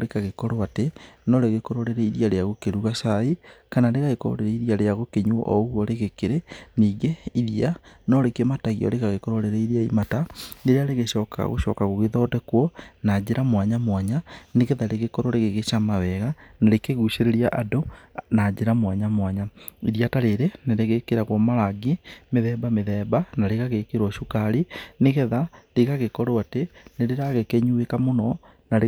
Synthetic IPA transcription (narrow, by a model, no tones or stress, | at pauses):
ɾekaɣekɔɾoatenɔɾeɣekɔɾoɾeɾɛiɾiaɾeaɣokeɾuɣasaikanaɾeɣaɣekɔɾo̰ɾeɾɛiɾiaɾeaɣokeɲuʔɔ̰ɣwɔɾeɣekeɾeniːɣeiðianɔɾekemataɣiɔ̰ɾekaɣekɔɾoɾeɾɛiɾiaimataneɾeaɾeɣeʃɔːka̰ɣo̰ɕɔkaɣoɣeðɔdɛkwɔnad͡ʑeɾamwaɲamwaɲaneɣɛðaɾeɣekɔɾoɾeɣeɣeʃamawɛɣanaɾekeɣuɕeɾeɾiaʔadonad͡ʒeɾamwaɲamwaɲaiɾjataɾeɾeneɾeɣekeɾaɣwɔmaɾaɡemeðɛbameðɛːbanaɾeɣaɣekeɾwɔʃukaɾineɣɛðaɾeɣaɣekɔɾoateneɾeɾaɣekeɲuekamonɔ | naɾe